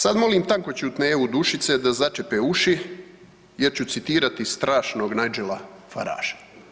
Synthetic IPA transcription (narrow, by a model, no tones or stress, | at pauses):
sad̪mo̞liːmt̪aŋko̞t͡ɕeut̪neːʋud̪uʃit̪se̞d̪azat͡ʃepeuʃi | je̞ɾt͡ɕut̪sit̪iːɾat̪ist̪ɾaːʃno̞ːɡnajd͡ʒelafa̰ɾa̰ːʒ̥ḁ